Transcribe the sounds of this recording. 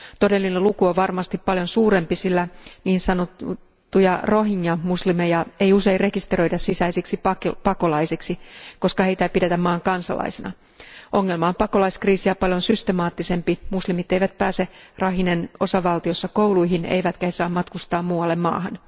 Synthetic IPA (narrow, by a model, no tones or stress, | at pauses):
t̪o̞de̞lːinelukuoʋɑrmɑst̪ippɑljonsuːɾe̞mpisilːæniːnsɑnot̪ː | ujɑro̞ɦiɲːjɑmuslimejɑe̞juse̞irre̞kist̪ero̞idɑssisæisiksipɑkpɑkolɑjsiksiko̞skɑhe̞it̪æipide̞t̪æmmɑːŋkɑnsɑ̰lɑ̰isenɑ̰ | ʔo̞ŋːe̞lmɑompɑko̞lɑiskriːsiæpɑljonsyst̪emɑːt̪ːise̞mpimuslimit̪ejʋæt̪̚pæːserɑɦineno̞sɑʋɑlt̪io̞sːɑkoulujɦinḛjʋæt̪kæhesɑːmɑt̪kust̪ɑːmmuːwɑlːemmɑ̰ːɦɑn